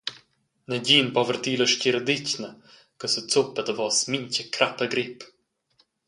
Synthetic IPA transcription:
nəɟiːnpɔvərt̪iːləʃciɾəd̪icnə | kəsət͡supət̪əvɔːsmincəkʰɾapəɡɾip

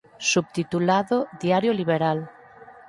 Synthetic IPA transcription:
sub̚t̪it̪ulaðoðjaɾjoliβ̞eɾal

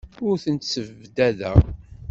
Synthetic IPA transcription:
ʊɾθənt̪səvːd̪æðæ̰

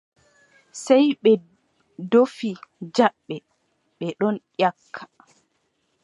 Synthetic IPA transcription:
sɛjɓɛ | dofid͡ʒaɓːɛ | ɓɛɗɔnʔjakʰːḁ

